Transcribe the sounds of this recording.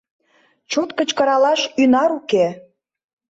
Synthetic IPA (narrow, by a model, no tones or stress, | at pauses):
t͡ɕot̪kə̆t͡ɕkə̆ɾɑlɑʃynɑɾuke